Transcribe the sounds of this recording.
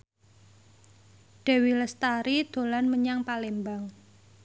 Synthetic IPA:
ɖ̥ɛ̤wiləst̪aɾid̪̥o̤lanməɲaŋpalembaŋ

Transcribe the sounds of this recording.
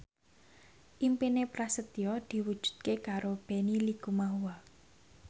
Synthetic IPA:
ʔimpinepɾasət̪iɔd̪̥i̤wud̥ʒ̥ṳ̥d̪̚kekaɾob̥e̤nilikumaɦuwa

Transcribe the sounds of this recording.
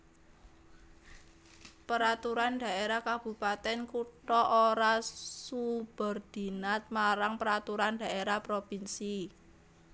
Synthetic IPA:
pəɾat̪uɾand̪ä̤eɾakab̥ṳpat̪ɛnkuʈɔʔoɾasub̥ə̤rd̪̥i̤nat̪̚maɾaŋpəɾat̪uɾand̥a̤ʔeɾapɾopinsi

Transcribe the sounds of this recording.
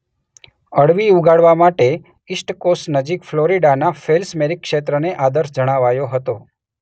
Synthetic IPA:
əɽʋiuɡaɽʋamaʈe | isʈkosnəd͡ʒikfloɾiɖanafelsmeɾikːʃet̪ɾəneʔad̪əɾsd͡ʒəɽ̃aʋajoɦət̪o

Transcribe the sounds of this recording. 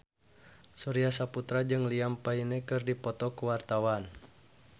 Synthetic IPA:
suɾiasaput̪ɾad͡ʒɨŋliampainɛkɨrdipɔt̪ɔkuwart̪awan

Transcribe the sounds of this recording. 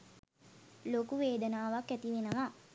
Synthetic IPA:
lokuʋeːd̪ənaːʋakːæt̪iʋenəʋa

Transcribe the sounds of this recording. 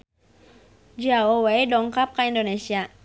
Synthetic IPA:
d͡ʒaowejdɔŋkap̚kaindonesia

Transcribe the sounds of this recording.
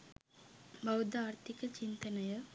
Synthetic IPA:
bɐwd̪aːɾt̪ʰikɐt͡ɕint̪ɐnɐjɐ

